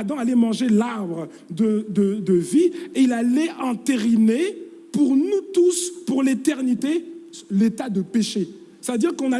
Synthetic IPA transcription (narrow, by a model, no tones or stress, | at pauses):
d̪ɑ̃alɛmɑ̃ʒelaʁbʁə | d̪əd̪əd̪əvieilalɛʔɑ̃t̪eʁine | puʁnut̪uspuʁlet̪ɛʁnit̪elet̪ad̪əpeʃe | savəd̪iʁkɔ̃na